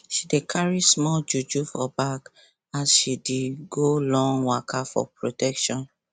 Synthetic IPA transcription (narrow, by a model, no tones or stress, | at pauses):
ʃidekʰaɹismɔld͡ʒud͡ʒufɔbak | asʃideɡolɔ̃ŋwakʰafɔ̰pɹotɛkʃɔ̃n